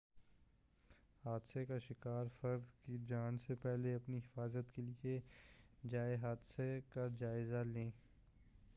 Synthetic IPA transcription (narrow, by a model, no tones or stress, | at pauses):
haːd̪sekaʃɪkaːɾfɐɾzkid͡ʒaːnsepɛɦleɐpniɦɪfaːzət̪kelie | d͡ʒaːeɦaːd̪sekad͡ʒaːɪzalẽː